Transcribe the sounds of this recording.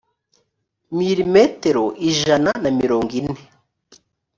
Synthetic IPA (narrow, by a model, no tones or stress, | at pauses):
miɾimeteɾoʔiʒananamiɾo̞ːŋɡine